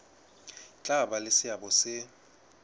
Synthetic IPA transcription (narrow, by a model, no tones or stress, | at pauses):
t͡ɬʼaɓalesɪaɓɔsɪ